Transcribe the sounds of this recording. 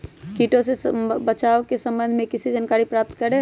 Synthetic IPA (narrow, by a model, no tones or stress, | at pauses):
kiːʈõsebət͡ʃaːokesə̃mbə̃nd̪ʱmẽkɪsid͡ʒankaːɾipɾaːp̚t̪kəɾẽ